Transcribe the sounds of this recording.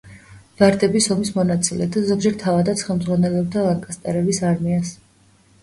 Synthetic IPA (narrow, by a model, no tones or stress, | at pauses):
vaɾd̪ɛbisɔmismɔnat̪sʼilɛd̪azɔɡd͡ʒɛɾt̪ʰavad̪at̪sʰχɛlˠmd̪zʁwanɛlɔb̚t̪ʰalaŋkʼast̪ʼɛɾɛbisaɾmias